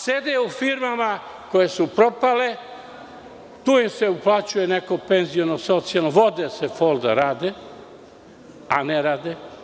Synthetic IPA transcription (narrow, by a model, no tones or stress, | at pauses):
sed̪eufiɾmama | kojesupɾopale | t̪uːimseuplat͡ʃujeneko̞penzionosot̪sialnoʋo̞d̪esefolˠd̪ɾaːd̪e | a̰neɾaːd̪e